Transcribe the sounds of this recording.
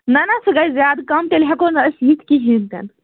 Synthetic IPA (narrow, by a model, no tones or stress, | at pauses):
nanasɨɡajzjaːd̪kamt̪elɦakonəsit̪kiɦĩnt̪ɛ̰nt̪